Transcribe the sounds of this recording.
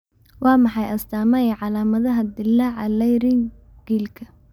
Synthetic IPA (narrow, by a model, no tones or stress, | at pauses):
wɑːmɑħɑjʔɐst̪aːmɐjɛʕɑlaːmɐðɐɦɐd̪ɪlːɐʕɐlɛjɾɪŋ | ɡ̥iːlkʰɐ̥